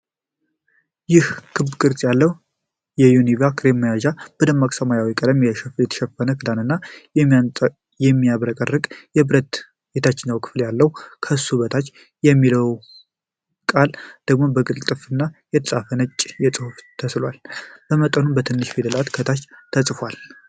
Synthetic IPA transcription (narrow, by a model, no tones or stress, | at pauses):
jɪhkʰɨbkʼɨɾt͡sʼjalːəwu | jɛjunivakʰɾeməjaʒab̥ɨd̪əmːakʼsəmajawikʼəd̪əmjɛʃɛfljɛt̪ʰʃɛfːənəkʰɨd̪anɨnːa | jɛmːijaβɾəkʼərːɨkʼjɛbɾət̪ | bet̪ʰat͡ʃːɪnːəwkʰɨ̥fljalːəwkʰəsuβət̪ʰat͡ʃː | jɛmːiləw | kʼald̪̥əɡmo̞bəɡɨlt̪ʼɨfɨnːajɛt̪ʰəsʼafənət͡ʃʼːjɛt͡sʼɨhuft̪ʰəslwalb̥əmət̪ʼənumbət̪ʰɨnːɨʃfed̪əlat̪kʰət̪ʰat͡ʃːt̪ʰəsʼfwal